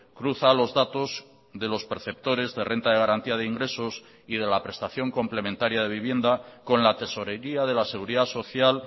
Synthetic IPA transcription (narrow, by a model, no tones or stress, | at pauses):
kɾuθalo̞zðat̪o̞z | ðe̞lo̞speɾθe̞p̚t̪o̞ɾe̞zðe̞rʔe̞nt̪aðeɣaɾant̪iaðeiŋɡɾe̞so̞s | ið̞e̞lapɾe̞st̪aθjo̞ŋko̞mple̞mẽnt̪aɾjaðe̞βiβ̞je̞nd̪ako̞nlat̪e̞so̞ɾe̞ɾiaðe̞lase̞ɣ̞uɾiðaso̞θjal